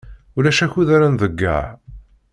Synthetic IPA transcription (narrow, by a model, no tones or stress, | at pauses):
ʊlæʃæçuðaɾanðəɡːə̰ʕ